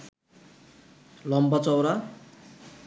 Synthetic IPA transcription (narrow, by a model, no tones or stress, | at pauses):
lʌmbʌt͡sʌwɾa